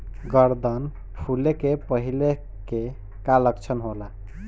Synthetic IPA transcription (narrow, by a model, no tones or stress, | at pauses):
ɡəɾd̪ən | pʰulekepəɦile | ke | kaləkt͡ʃʰənɦola